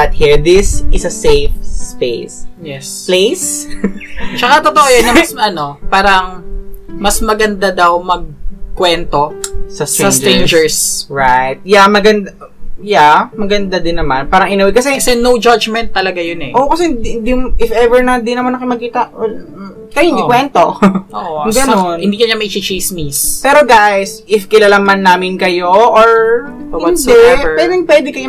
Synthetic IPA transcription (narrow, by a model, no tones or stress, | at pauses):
ɐt̪̚hiɹd̪ɪsʔɪsɐsejfspesɛsplejs | t͡ʃɐkat̪ot̪oʔojɐnːɐmɐsɐno̞paːɾɐŋ | mɐsmɐɡɐnd̪ad̪ɐwmɐɡ̚kwɛnt̪o̞sɐsɐst̪ɹẽnd͡ʒɛɹsɹajt̪̚jamɐɡɐnd̪a | jamɐɡɐnd̪ad̪ɪnːɐmanpaːɾɐŋʔɪnɐwɛkɐsɛɐsɛnowd͡ʒad͡ʒmɛnt̪ːɐlɐɡajonɛʔokɐsɛhɪnd̪ihɪnd̪iʔɪfʔɛvɛɹnɐd̪ɪnɐmanɐkɪmɐɡ̚kiːt̪ɐ | kɐjohɪnikwɛnt̪ooʔoɡɐnonhɪnd̪iːkɐɲamɐʔit͡ʃit͡ʃismispɛːɾoɡajsʔɪfkɪlalamɐnːaːmɪnkɐjoʔoɹ | hɪwɔnd̪ɛpwɛːd̪ɪŋpwɛd̪ɪŋkɐjo